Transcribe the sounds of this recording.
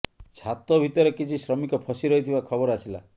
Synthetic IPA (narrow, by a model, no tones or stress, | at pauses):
t͡ʃʰat̪ɔbʱit̪ɔɾekit͡ʃʰisɾɔmikɔpʰɔsiɾɔɦit̪ʰibakʰɔbɔɾasila̰